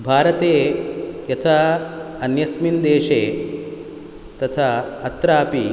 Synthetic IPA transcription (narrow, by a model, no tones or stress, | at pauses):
bʱaːɾɐt̪eːjɐt̪ʰaː | ɐnjɐsmind̪eːʃeː | t̪ɐt̪ʰaːɐt̪ɾaːpi